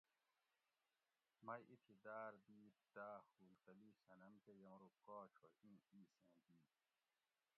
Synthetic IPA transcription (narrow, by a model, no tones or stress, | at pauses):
mɐjʔit̪ʰid̪aːɾd̪iːd̪aːhuːlt̪ɐliːsɐnɐmkejɐmɾukoːt͡ɕʰoĩːiːsẽːd̪iː